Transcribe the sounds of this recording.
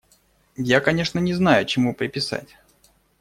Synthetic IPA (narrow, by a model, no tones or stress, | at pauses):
jakɐnʲe̞ʂnənʲɪznajʊt͡ɕɪmupɾʲɪpʲɪsa̰tʲ